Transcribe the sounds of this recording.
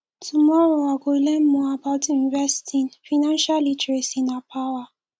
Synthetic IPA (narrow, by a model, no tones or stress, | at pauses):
tʰumɔɾoaɡoilem̩mɔabaʊtinvɛstʰinfanãnʃalitɹesinapʰawa